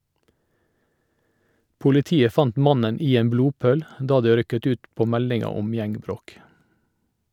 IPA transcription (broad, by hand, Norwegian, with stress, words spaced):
pʊlɪˈtiːə ˈfɑnt ˈmɑnən ˈiː ˈeːm ˈbluːˌpøːl ˈdɑː ˈdøː ˈɾʏkət ˈʉːt ˈpoː ˈmɛlɪŋɑ ˈɔm ˈjɛŋɡˌbɾoːk